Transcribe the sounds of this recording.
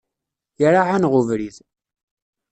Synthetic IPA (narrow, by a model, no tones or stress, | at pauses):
jəɾaʕanʁʊvɾið